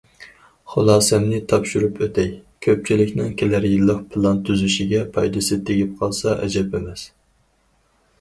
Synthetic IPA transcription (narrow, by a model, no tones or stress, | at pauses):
χolˠɑːsɛmnɪt̪ʰɑpʃuɾupʰøt̪ʰɛjkʲʰøp̚t͡ʃʰilɪkʲnɪŋkʲʰelæɾjilˠːəqpʰɨlˠɑnt̪ʰyzyʃiɡʲɛpʰɑjd̪ɨsɨt̪ʰeɡʲip̚qʰɑlˠsɑʔɛ̰d͡ʒɛpemɛs